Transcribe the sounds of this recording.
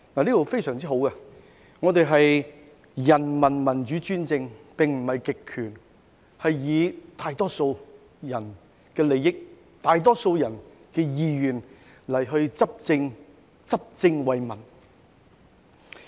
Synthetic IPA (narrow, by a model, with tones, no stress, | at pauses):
naː˨˩liː˥t̪o˨˧wfe˥jsœː˨˩ŋt͡siː˥ɦo˨˧˥wkɛ˧ | ŋɔː˨˧t̪e˨˧jɦɐ˨j | jɐ˨˩nmɐ˨˩nmɐ˨˩nt͡ʃyː˨˥t͡ʃyː˥nt͡sɪ˧ŋpɪ˨ŋm̩˨˩hɐ˨jkɪ˨kʰːyː˨˩n | hɐ˨jːiː˨˧t̪ʰaː˧jt̪ɔː˥so˧w | jɐ˨˩n | kɛː˧le˨˧jɪ˥k̚ | t̪aː˨˧jt̪ɔː˥so˧wjɐ˨˩n | kɛː˧jiː˧jyː˨˩n | lɐ˨˩jɦɵ˧ɥt͡sɐ˥p̚t͡sɪ˧ŋ | t͡sɐ˥p̚t͡sɪ˧ŋwɐ˨jmɐ˨˩n